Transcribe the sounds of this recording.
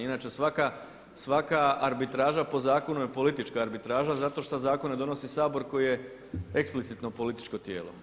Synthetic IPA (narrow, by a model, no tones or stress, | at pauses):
inaːt͡ʃesʋaka | sʋakaaɾbit̪ɾaːʒapo̞zaːko̞nujepo̞lit̪it͡ʃkaːɾbit̪ɾaːʒazat̪o̞ʃt̪azaːkonːed̪o̞no̞sisaːbo̞ɾko̞jije̞ | eksplit̪sit̪no̞po̞lit̪i̥t͡ʃko̞t̪je̞ːlo̞̰